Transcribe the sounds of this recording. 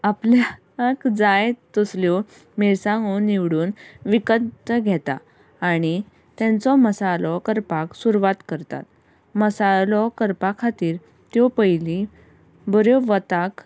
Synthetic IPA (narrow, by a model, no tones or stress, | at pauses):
aplja | kd͡zajt̪ɔsljɔ | meɾsãŋɡoniʋɽuːnʋikənt̪əɡʱɛt̪a̰ː | ɽ̃i | t̪jɛ̃nt͡sɔməsalɔkəɾpaksuɾuʋat̪kəɾt̪a̰t̪ | məsalɔkəɾpakʰat̪iːɾ | t̪jɔpəjli | bəɾjɔʋət̪ak